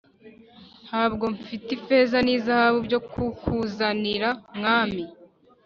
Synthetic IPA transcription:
haːbɡo̞ɱfitife̞ːzaniːzahaβubɟo̞kʰukuzaniɾamŋaːmi

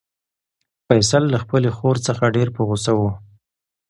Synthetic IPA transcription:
fajsalːaxpəlexoɾt͡səxaɖeɾpəɣosawu

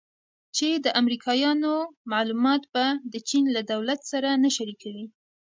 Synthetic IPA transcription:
t͡ʃed̪əʔamɾikʰɑjɑnomalumɑt̪bad̪ət͡ʃinlad̪awlat̪saɾanaʃaɾikawi

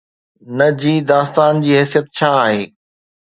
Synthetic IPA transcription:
nɐd͡ʑiːd̪aːst̪aːnd͡ʑiːɦɛːsijət̪̚t͡ɕʰaːaːɦeː

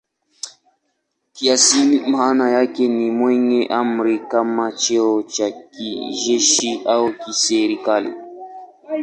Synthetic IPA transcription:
kiasinim̩hanajakɛnimwɛɲɛʔam̩ɾikamat͡ʃɛɔt͡ʃakiʒɛʃiʔaukisɛɾikalḭ

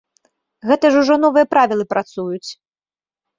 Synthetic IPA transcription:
ɣɛt̪ɐʐuʐɔn̪ɔvɨjɐpɾavʲilˠɨpɾat̪sujut͡sʲ

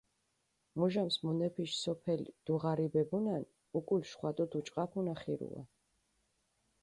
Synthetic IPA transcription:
muʒamsmunɛpʰiʃsɔpʰɛlid̪̥uʁaɾibɛbunan | ukʼulʃχwat̪ʼɔt̪ʰut͡ʃʼqʼapʰunaχiɾṵa̰

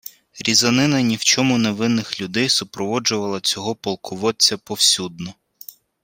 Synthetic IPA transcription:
ɾʲizɐnɪnɐnʲiwt͡ʃɔmʊneʋɪnːɪxlʲʊd̪ɛjsʊpɾɔʋɔd͡ʒʊʋɐlˠɐt͡sʲɔɦɔpɔlˠkʰʊʋɔt͡sʲːɐpɔwsʲud̪̚nɔ

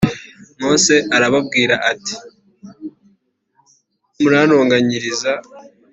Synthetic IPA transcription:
moːse̞ʔaɾaβab̚ɡiːɾaʔati̥ | muɾaːɾoːŋɡaɲiɾiza

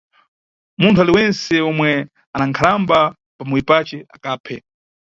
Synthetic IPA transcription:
muntʰualiwɛnsɛɔmwɛ | anaŋkʰalamba | pamuwipat͡ʃɛa̰kaːpʰɛ

